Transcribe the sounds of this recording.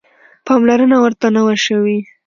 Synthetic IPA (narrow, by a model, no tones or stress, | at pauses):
pɑmlaɾənawəɾt̪anawaʃəwi